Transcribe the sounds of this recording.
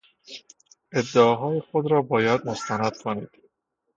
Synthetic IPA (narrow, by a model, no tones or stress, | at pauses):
ed̪ːeɒɦɒːjexod̪ɾɒːbɒːjæd̪̚most̪ʰænæd̪̥kʰoniːd̪̥